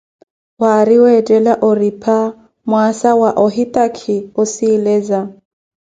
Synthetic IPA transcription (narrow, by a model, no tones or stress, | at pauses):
waɾiwɛd͡ʒɛlaʔɔripʰa | mwasawaʔɔɦitʼakʰiɔsiːlɛːza